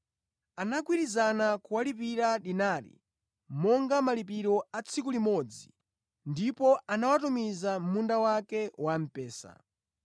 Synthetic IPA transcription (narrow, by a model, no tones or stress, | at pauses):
anakwiɾizanakuwalip̬iɾaɗinaɾḭ | mɔŋɡamalip̬iɾɔat͡sʰikulimɔd͡zi | ndipɔanawatumizam̩mundawakɛwam̩pɛːsa̰